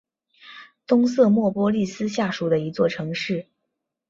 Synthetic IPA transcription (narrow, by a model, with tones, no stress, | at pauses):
t̪ʊ˥ŋsɤ˥˧mwɔ˥˩pwɔ˥li˥˩sɹ̩˥ɕja˥˩ʂu˨˩d̪ə˦i˧˥t͡swɔ˥˩ʈ͡ʂʰɤ˧˥ŋʂɻ̩˥˩